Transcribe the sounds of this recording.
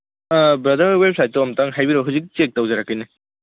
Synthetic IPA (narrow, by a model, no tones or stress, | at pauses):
bɾɐdɐɾwep̚sajt̚ːoɔmtaŋɦajbiɾɔɦazik̚t͡ʃek̚tɐwzaɾakːijne